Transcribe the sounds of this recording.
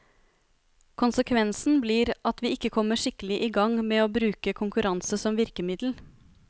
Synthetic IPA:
kʰʊnsəkʰʋɛnsn̩bliːɾʔɑt̪ʰʋiːɪkːəkʰɔmːəʂɪkəlɪʔɪɡɑŋmeːoːbɾʉːkəkʰʊŋkʉɾɑnsəsɔmʋɪɾkəmɪd̪l̩

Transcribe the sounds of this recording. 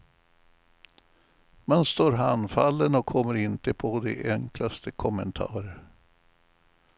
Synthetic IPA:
manst̪oːɾɦanfalːənɔkʰːɔmːəɾɪnt̪əpʰɔd̪ḛʔɛŋklast̪ʰəkʰɔmənt̪ʰɑ̰ːɾəɾ

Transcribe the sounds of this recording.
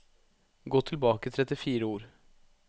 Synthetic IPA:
ɡoːt̪ʰɪlbɑːkəɪt̪ʰɾɛt̪ɪfiːɾəuːɾ

